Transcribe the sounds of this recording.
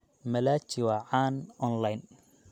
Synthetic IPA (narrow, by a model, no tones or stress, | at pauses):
mɐlaːt͡ʃɪwaʕaːnɔnlajn